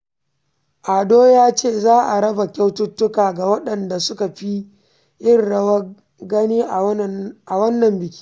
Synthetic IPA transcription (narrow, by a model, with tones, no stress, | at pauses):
ʔa˨doː˦jaː˦t͡ʃeː˦˨zaː˦ʔa˨ɽɐ˦ba˨kʲa˦wtʊ˦tːʊ˦kaː˨ɡa˨wɐ˦ɗɐ˨nda˨sʊ˦ka˨ɸi˦ | ʔɪ˦rɽɐ˦wɐ˦ | ɡɐ˦niː˦ʔʔa˨wɐ˦nːɐ˨mbɪ˨kʲi̥ː˦